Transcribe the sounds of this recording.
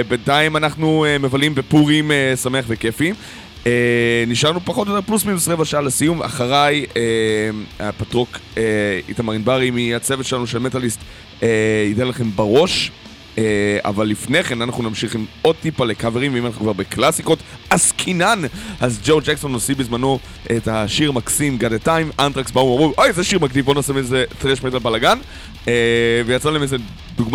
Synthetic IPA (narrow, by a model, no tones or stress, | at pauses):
bentaimanaχnuemevalimbepuʁimesameaχveke̞fi | eniʃaʁnupaχot̪ojote̞plusminusʁevaʃaalesijuma̰χaʁaje | apatʁo̞keitamaʁinbaʁimiat͡sevetʃelanuʃelmetalist | eidenlaχe̞mbaʁo̞ʃ | a̰valːifneχe̞nanaχnunamʃiχimo̞d̚t̪ipalekaveʁimveimanaχnukvaʁbeklasiko̞t | askʰinanazd͡ʒowd͡ʒekso̞nosibizmano̞ | etaʃiʁmaksimɡadetajmʔantʁaksbauamʁuʔojzeʃiʁmakdivbonasimezetʁeʃmetalbalaɡan | evejat͡salahemeze | duɡm